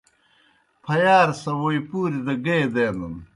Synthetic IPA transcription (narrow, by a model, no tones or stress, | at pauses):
pʰɐjaːɾsɐwoipuːɾid̪ɐɡeːd̪eːnd̪ɐn